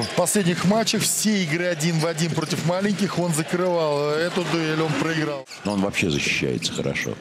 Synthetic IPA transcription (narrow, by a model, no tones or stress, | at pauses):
fpɐsʲlʲedʲnʲɪxmat͡ɕːɪxfsʲeɪɡɾɨɐdʲinvɐdʲinpɾo̞tʲɪfmalʲɪnʲkʲɪxo̞nzəkɾɨvalˠɛt̪ʊd̪ʊɛlʲo̞npɾəɪɡɾalˠ | oo̞nvɐpɕːe̞zəɕːɪ̥ɕːæ̰jɪ̰t̪sə̥xəɾɐ̰ʂo̰